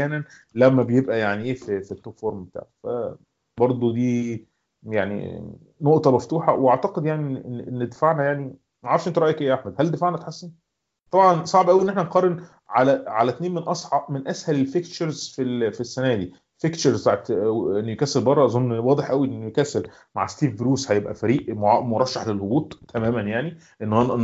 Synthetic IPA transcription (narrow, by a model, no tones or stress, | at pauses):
ħjæːnæn | læmːæbejebʔæjaʕniʔeːfifit̪ːot̪foɾmbet̪a̰ːʕfæ̰ | bɑɾˤd̪ˤod̪iː | jaʕnḭ | noʔt̪ˤɑmæft̪uːħɑ̰weʔaʕt̪æqed̪jaʕniʔenʔenːd̪efaʕnæjaʕni | ʕɑɾˤfʔent̪oɾɑːʔækʔeːjæʔaħmæd̪hæld̪efaʕnæt̪ħasːen | t̪ˤɑbʕɑnsˤɑʕbʔæwiʔenːeħnænqɑɾˤːen | ʕalæʕalæt̪neːnmenʔɑsˤʕɑʔmenʔæshælelfikt͡ʃeɾzfilfisːænæːd̪iː | fikt͡ʃeɾzt̪aʕet̪enːjekæːselbɑrˤːɑʔɑzˤonːwɑːd̪ˤeħʔæwiʔenːjekæsːel | ma̰ʕst̪iːvbɾuːshæjebʔæ̰fæɾiːʔmoʕmoɾˤɑʃːɑħlelhobuːt̪ˤːæmæːmænjaʕni | ʔenː